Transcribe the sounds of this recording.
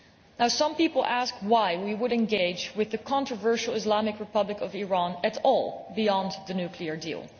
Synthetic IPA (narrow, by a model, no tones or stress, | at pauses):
naʊsʌ̃mpipl̩ˠʔæskwaɪwiwʊɾɨ̃nɡeɪd͡ʒwɪðɨkʰɑ̃ntɹ̥əvɜ˞ʃl̩ˠɪzlɑmɨkɹɨpʌblɨkʌviɹɑ̃nɨɾɔlˠbiɑ̃nðɨnʉkʰliə˞dḭlˠ